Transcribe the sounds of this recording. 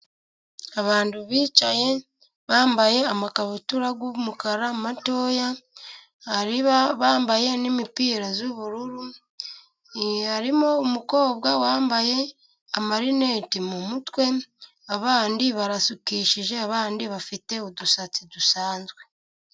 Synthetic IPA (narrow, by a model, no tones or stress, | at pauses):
aβaːnduβiːt͡ʃaje̞ | βaːmbaje̞amakaβutuɾaɡumukaɾamato̞ːja | haɾiβaβaːmbaje̞nimipiːɾazuβuɾuɾu | haɾimo̞umuko̞ːbɡwawaːmbaje̞ | amaɾine̞ːtimumutwe̞ | aβaːndiβaɾasukiːʃiʒe̞aβaːndiβafite̞odusat͡sidusaːnzɡwe̞